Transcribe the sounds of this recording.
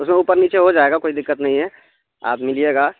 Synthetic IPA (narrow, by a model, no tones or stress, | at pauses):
ʊsmẽuːpəɾniːt͡ʃeɦod͡ʒaːeːɡakoːid̪ɪkːət̪nɐɦĩɦɛː | a̰ːpmɪlieːɡaː